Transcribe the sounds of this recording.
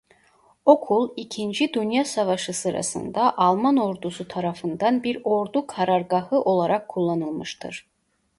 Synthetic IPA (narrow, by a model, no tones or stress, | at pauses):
o̞kʰulˠicʰind͡ʒid̪ynjasavaʃɯsɯɾa̰sɯ̰nd̪aʔɑlˠmano̞ɾd̪usut̪ʰaɾafɯnd̪anbiɾo̞ɾd̪ukʰaɾaɾɡahɯʔo̞lˠaɾakʰːulˠːanɯlˠmɯʃt̪ʰɯ̰ɾ̥